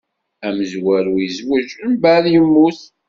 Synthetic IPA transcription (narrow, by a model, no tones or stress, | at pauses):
æməzwæɾwizwəʃəmbæɾjəmːuθ